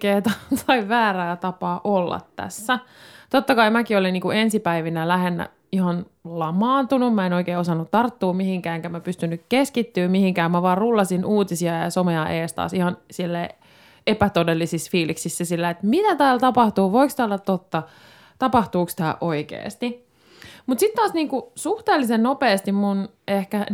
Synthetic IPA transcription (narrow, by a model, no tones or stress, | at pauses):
keːt̪ɑsɑiʋʋæːræːt̪ɑpɑːʔolːɑ̰t̪tæ̰sːæt̪ot̪ːɑkɑimækioliniːkuensipæiʋinælæɦenːæ̰ | ihɑn | lɑmɑːnt̪unummæenoikeːosɑnːut̪tɑrt̪ːuːmihiŋkæːeŋkæmæpyst̪ynːykkeskit̪ːyːmmihiŋkæːmmæʋɑːrrulːɑsinʔuːt̪isiɑjɑ̰someɑʔeːst̪ɑ̰ːsihɑnsilːæ | epæt̪odelːisisfiːliksisːæsilːæet̪mit̪æt̪æːlt̪ɑpɑht̪uːʋoikst̪æːlːɑtt̪ot̪ːɑ | t̪ɑpɑht̪uːkst̪æːʔʔoikḛːst̪i | mut̪sit̪t̪ːɑːsniːŋkusuht̪eːlːisennopeːst̪immun | ehkæ